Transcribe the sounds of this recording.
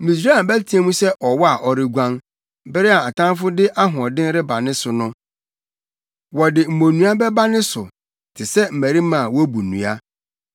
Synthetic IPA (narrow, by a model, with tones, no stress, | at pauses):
mĩ˨s̬ɾa˦˨bæ˦tʰi˦e˦mũ˦sɛ˦ʔɔ˨wɔ˦a˨ʔɔ˨ɾɪ˦ɡʷã˦n | bɪ˦ɾɪ˦a˨a˨tʰã˦n˦fʊ˦dɪ˦ʔa˦ɦʊ̃˨ɔ˨dɪ̃˦n˦ɾɪ˦ba˨nɪ̃˦sʊ˨nʊ̃˦ | wɔ˨dɪ˨m̩˨mõ˨nũ˦a˦bɛ˦ba˦nɪ̃˦sʊ̰˨ | tʰɪ˨sɛ˦m̩˨mæ˨ɾi˦mã˨wɔ˦bu˨nṵ̃˨a˦